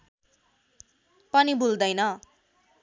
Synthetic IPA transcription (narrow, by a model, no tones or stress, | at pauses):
pʌnibuld̪ʌjnʌ